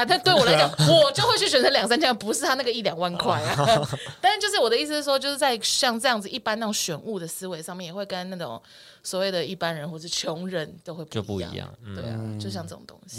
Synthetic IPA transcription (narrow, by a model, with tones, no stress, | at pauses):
a˧˩t̪na˥˧t̪we˥˩wɔ˨˩lt͡ɕɑ˨˩wɔ˨˩t͡ɕjo˥˧xwe˥˩ɪt͡ɕʰy˥˩ɕɥɛ˨˩nt͡sə˥˦ljɑ˨˩ŋsa˥nt͡ɕʰi˧˥m˥˩pu˧˥ʂ̩˥t̪ʰa˥na˥˩ɡə˧i˥˩ljɑ˨˩ŋwa˥˧nkʰwa˥˩ɪ˨˩t̪a˥˧nɻa˥˧t͡ɕjo˥˧ʊʂɻ̩˥˩wɔ˨˩d̪ə˦i˥˩s̬̩˧˥˧wo˥˧t͡ɕjʂ̩˥˩t͡sa˥˧ɪɕjɑ˥˧ŋʈ͡ʂɤ˥˧jɑ˥˩ŋd͡zɹ̩˩ʔi˥˩pa˥na˥˩o˨˩ŋɕɥɛ˨˩˦nu˥˩d̪ə˩sɹ̩˥we˧ɪʂɑ˥˧ŋmjɛ˥˩jɛ˨˩xwe˥˩ɪkə˦nna˥˩ʈ͡ʂo̰˨˩˦ŋ | swɔ˨˦we˥˩ɪd̪ə˩i˥˩pa˥nɻə˧˦nxwɔ˥˩˨ʂɻ̩˥˩t͡ɕʰjo˧˥ŋɻə˧˦nt̪o˥ʊxe˥˧ɪppṵ˥˨jḭ˥˨˧jɑ̰˨ŋ˨ŋt̪we˥˩ɪ̰t͡ɕjo˥˧ʊɕjɑ˥˧ŋʈ͡ʂɤ˥˩ʈ͡ʂo̰˨˩ŋt̪o̰˧˥ŋɕi̥˨